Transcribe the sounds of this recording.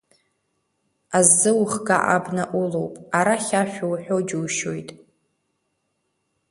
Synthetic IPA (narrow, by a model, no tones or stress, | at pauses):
azːɨwχɡa̰ʔabnaʔulo̞wpʼaɾaχʲaʃʷᶣowħʷᶣo̞d͡ʒuwʃojtʼ